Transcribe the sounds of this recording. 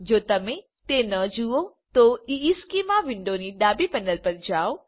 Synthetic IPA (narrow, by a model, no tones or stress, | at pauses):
d͡ʒoːt̪ɐmẽ | t̪enɐd͡ʒuo | t̪oiːskimaʋɪɳɖoniɖaːbipɐnəlpɐɾd͡ʒaːo